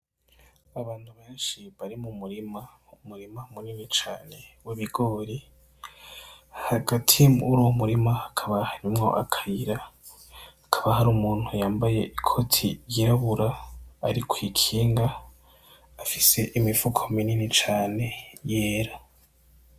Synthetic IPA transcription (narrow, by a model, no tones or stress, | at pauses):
aβaːn̥huβe̞ːnʃiβaɾimumuɾima | umuɾimamuninit͡ʃaːne̞weβiɡoɾi | haɡatʰijmuɾuwomuɾimaːkʰaβahaɾimŋo̞̰ʔa̰kʰajiɾaː | kʰaβahaɾumuːn̥hujaːmbaje̞ʔikʰo̞tʰiɾjiɾaβuɾaːɾikwiːkʰiːŋɡaː | fise̞ʔimifukʰomininit͡ʃaːne̞je̞ːɾa